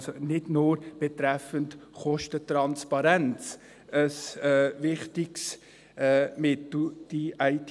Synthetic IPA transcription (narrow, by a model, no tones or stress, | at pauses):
sonɪdnʊːɾb̥ɛt̪ɾɛfəntχɔʃtət̪ɾɑnspɑɾɛnt͡s | əsvɪχtɪks | mɪtl̩d̥iʔæɪtʰ